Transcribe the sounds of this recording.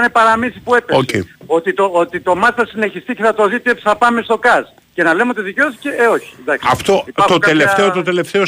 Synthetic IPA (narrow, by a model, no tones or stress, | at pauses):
nepɐɾɐminsipuepeoeot̪it̪oot̪it̪o̞mɐsθɐsine̞çist̪iceθɐt̪o̞ðit̪iepθɐpɐme̞st̪o̞kɐz | ce̞nɐle̞meot̪iðiceosi̥ceʔeoçi̥d̪ɐksɐft̪oiɐt̪oeleft̪eot̪ot̪eleft̪eo